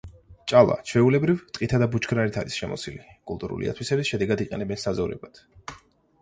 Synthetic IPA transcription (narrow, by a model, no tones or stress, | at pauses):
t͡ʃʼalˠa̰t͡ʃʰwɛulɛbɾivt̪ʼqʼit̪ʰad̪abut͡ʃʰkʰnaɾit̪ʰaɾisʃɛmɔ̰silikʼulˠt̪ʼuɾṵlḭa̰t̪ʰwisɛbisʃɛd̪ɛɡad̪iqʼɛnɛbɛnsazɔvɾɛ̰bat̪ʰ